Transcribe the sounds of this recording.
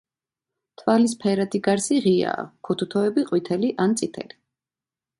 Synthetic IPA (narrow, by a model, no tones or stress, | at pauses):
t̪ʰvalis̬pʰɛɾad̪iɡaɾsiʁia̰ːkʰut̪ʰut̪ʰɔɛbiqʼwit̪ʰɛliʔant̪sʼit̪ʰɛ̰li